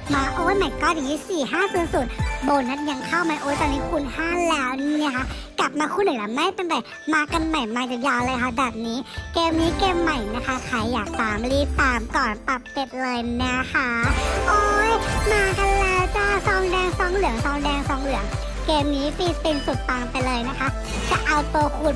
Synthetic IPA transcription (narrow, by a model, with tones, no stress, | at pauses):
maː˧ʔoː˧˥jma˨˩jkɔː˧˩ja˨˩niː˦˥siː˨˩ɦaː˥˩suː˨˩ənsu˨˩nboː˧˩na˦˥t̪̚ja˧ŋkʰa˥˩wma˧˩jʔoː˧˦jt̪ɔː˧niː˦˥kʰu˧nhaː˥˩lɛː˦˥wn˧˥ni˦˥˨kʰa˦˥kla˨˩p̚maː˧kʰu˧˥˨nːɯ˨˩˦la˧˩ma˧˥˨pa˧nba˨˩j | maː˧ka˧nma˨˩jmaː˧t͡ɕa˨˩jaː˧wlɤː˧jkʰa˦˥bɛː˨˩p̚niː˦˥keː˧mniː˦˥keː˧mːa˨˩jna˦˥kʰa˦˥kʰaː˨˩˦jːaː˨˩k̚saː˨˦mliː˦˥t̪aː˧˩mkɔː˨˩np̪a˨˩p̚ke˧˩t̪̚lɤː˧jna˦˥kʰa˦˥ʔoː˧˦jmaː˧ka˧nlɛː˦˥wt͡ɕa˧˩sɔː˧˩ŋdɛː˧ŋsɔː˧˩ŋlɯ˨˩˦əŋsɔː˧ŋdɛː˧ŋsɔː˧ŋlɯ˨˩˦əŋ | keː˧mniː˦˥piː˧˩pi˧nsu˨˩t̪̚ːa˧ŋpa˧jlɤː˧jna˦˥kʰa˦˥ | t͡ɕa˨˩ʔa˧wt̪u˧kʰu˧˩n